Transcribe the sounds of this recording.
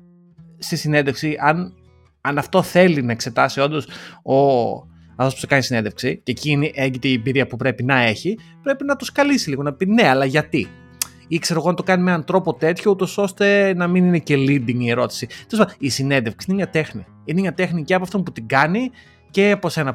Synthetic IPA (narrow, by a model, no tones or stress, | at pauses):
st̪isinenðefksiʔɐn | ɐnɐft̪o̞θe̞linɐe̞kse̞t̪ɐsio̞nd̪o̞so | ɐft̪opu̥sekɐnisineðefksiceciniʔeɲɟit̪eiebiɾiɐpupɾe̞pinɐe̞çipɾe̞pinɐt̪uskɐlisiliɣo̞nɐpine̞ɐlɐʝɐt̪i | ikse̞ɾo̞ɣoɐnt̪o̞kɐnime̞nɐnt̪ɾo̞pot̪e̞t̪çout̪o̞so̞st̪e̞nɐminine̞ce̞lind̪iŋie̞ɾo̞t̪i̥sit̪elespɐd̪isinenðefksiinemɲɐt̪e̞xni | inemɲɐt̪exniceɐpɐft̪o̞mput̪iɡɐni | ce̞ɐpo̞se̞nɐ